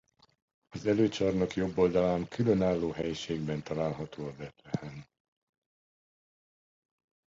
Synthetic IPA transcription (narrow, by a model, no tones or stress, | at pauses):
ɒzɛløːt͡ʃɒrnɒkjo̞bːo̞ld̪ɒlaːmkylønaːlːoːɦɛjʃeːɡbɛnt̪ɒlaːlɦɒt̪oːɒbɛt̪lɛhɛn